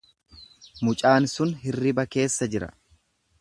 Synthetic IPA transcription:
mʊt͡ʃʼaːnsʊnɦɪrːɪbɐke̞ːsːɐd͡ʒɪɾɐ̰

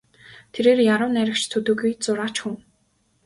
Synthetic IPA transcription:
t̪ʰeɾeːrjaɾʊ̆ːnæɾʲɪ̆kt͡ɕt̪ʰɵt̪ɵ̆ɡujt͡sʊɾaːt͡ɕxuŋ

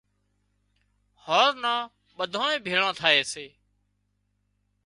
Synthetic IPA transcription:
hoːɾnãː | ɓəd̪ʱãːẽːbʱeːɭãːt̪ʰaːeːseː

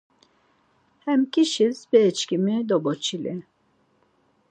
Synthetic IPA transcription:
hɛmkiʃizbɛːt͡ʃkimid̪ɔbɔt͡ʃʰilɛ

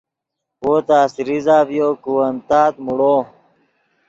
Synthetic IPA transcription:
oːt̪aːsiɾizaːvijoːkuwɐnt̪aːt̪muɽoː

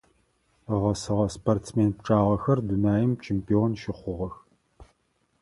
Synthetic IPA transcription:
ʁɐsɨʁɐsportsmeːnpʈ͡ʂʼaːʁɐxɐrdunaːjɪmt͡ʃʰeːmpʰionʃɪχʷʊʁɐx

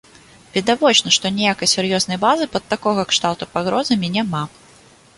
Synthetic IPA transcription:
vʲid̪avɔt͡ʂnɐʂt̪ɔnʲɛjakɐjsʲurjɔznɐjbazɨpɐt̪ːakɔɣɐkʂt̪awt̪upaɣɾɔzɐmʲinʲama

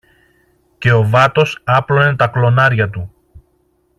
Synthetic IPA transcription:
ce̞o̞vɐt̪o̞sɐplo̞net̪ɐklo̞nɐɾʝɐt̪u

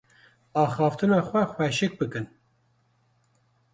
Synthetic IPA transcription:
ɑːxɑːft̪ɨnɑːxʷɛxʷɛʃɨk̚bɨkɨn

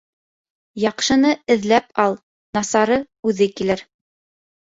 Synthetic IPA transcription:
jɑqʃɤ̆nɤɘ̆ðlæpɑlˠ | nɑsɑɾɤ | ʉðɘkilɘɾ

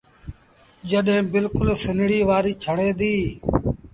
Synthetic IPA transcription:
d͡ʒəɗɦẽːbɪlkʊlsɪnɽiːʋaːɾiːt͡ʃʰəɽ̃eːd̪iː

